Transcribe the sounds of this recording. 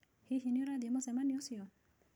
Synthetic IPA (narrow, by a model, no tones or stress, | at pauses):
hiɦiniɾad̪imɔsɛmaniosiɔ